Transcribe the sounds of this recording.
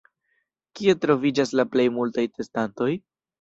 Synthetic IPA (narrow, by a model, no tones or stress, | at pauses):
kie̞tɾo̞vid͡ʒaslaple̞jmultajte̞stanto̞j